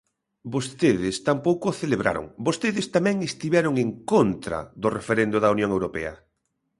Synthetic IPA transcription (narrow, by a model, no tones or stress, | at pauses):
bost̪eðɪst̪ampowkʊθeleβɾʔa̰ɾo̰ŋbost̪eðɪst̪amɛ̃ŋest̪iβɛɾʊŋeŋkont̪ɾɐ̰ðʊrefeɾend̪ʊðɐunjõŋewɾopɛ̰ɐ